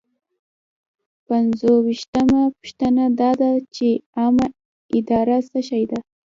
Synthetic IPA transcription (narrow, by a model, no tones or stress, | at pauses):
panzowiʃt̪amapʊ̥ʃt̪ənad̪ɑd̪at͡ʃeama | ɪd̪ɑɾasəʃajd̪a